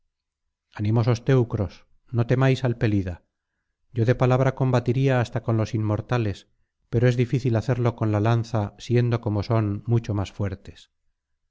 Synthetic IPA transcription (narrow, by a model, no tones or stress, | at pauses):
anĩmo̞so̞st̪e̞wkɾo̞s | no̞t̪e̞majsalpe̞liða | ɟ͡ʝo̞ðe̞palaβ̞ɾako̞mbat̪iɾiaːst̪ako̞nlo̞simːo̞ɾt̪ale̞s | pe̞ɾoe̞zðifiθilaθe̞ɾlo̞ko̞nlalan̟θasje̞nd̪o̞ko̞mo̞so̞nmut͡ʃo̞masfwe̞ɾt̪e̞̥s